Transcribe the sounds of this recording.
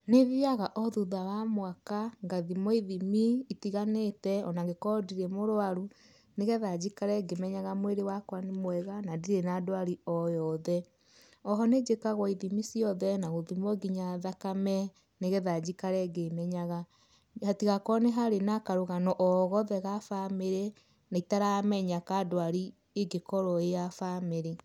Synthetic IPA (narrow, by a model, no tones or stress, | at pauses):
neðiaɣaʔɔðuðawamwakaŋɡaðimɔiðimiitiɣanetɛɔnaŋɡekɔdiɾemoɾoaɾu | neɣɛðad͡ʒikaɾɛɡemɛɲaɣamweɾewakwanemwɛɣanadiɾenadoaɾiɔjɔðɛ | ɔɦɔned͡ʒekaɣwɔiðimisiɔðɛnaɣoðimwɔɡiɲaðakamɛ | neɣɛðad͡ʑikaɾɛɡemɛɲaɣa | hatiɣakɔneɦaɾenakaɾoɣanɔʔɔɣɔðɛɣafameɾe | naitaɾamɛɲakadoaɾi | eɡekɔɾɔejafameɾe